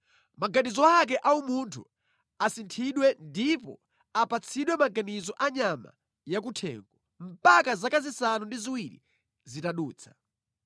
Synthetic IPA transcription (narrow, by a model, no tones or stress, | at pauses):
maɡaɗizɔak̬ɛʔaumuntʰṵ | asintʰiɗwɛndipɔ̰ | apat͡sʰiɗwɛmaɡanizɔʔaɲama̰ | jak̬utʰɛ̰ːŋɡɔ | m̩pakazakazisanundiziwiɾḭ | zitaɗuːt͡sʰḁ